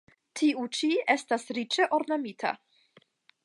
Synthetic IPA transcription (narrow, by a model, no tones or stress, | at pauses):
tʰiut͡ʃiestasɾit͡ʃe̞ʔo̞ɾnamitʰa̰